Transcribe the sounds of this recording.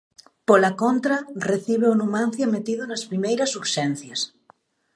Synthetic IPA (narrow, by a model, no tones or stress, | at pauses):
polakont̪ɾareθiβ̞eonumãn̟θjamet̪iðonaspɾimejɾasuɾʃɛn̟θjas